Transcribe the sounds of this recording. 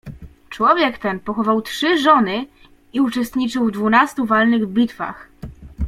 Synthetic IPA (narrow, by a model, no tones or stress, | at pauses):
t͡ʂwɔvʲjɛkt̪ɛnpɔxɔvawtʂɘʐɔnɘ | iut͡ʂɛst̪ɲit͡ʂɘwvd̪vunast̪uvalnɘɣbʲit̪fa̰x